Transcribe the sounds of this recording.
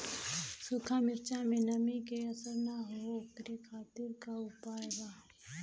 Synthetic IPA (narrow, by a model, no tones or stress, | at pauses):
sʊkʰamɪɾt͡ʃamẽnɐmikeɐsəɾnaɦokɾekʰaːt̪ɪɾkaʊpaːeɡaː